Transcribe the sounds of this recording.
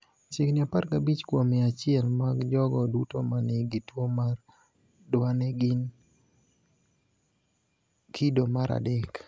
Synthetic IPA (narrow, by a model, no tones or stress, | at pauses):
t͡ʃɪknɪaparkabit͡ʃkwomɛat͡ʃɪɛlmaɡd͡ʒɔɡɔdutomanɛɡitwomar | dwanɛɡin | kʰidomaɾa̰dɛk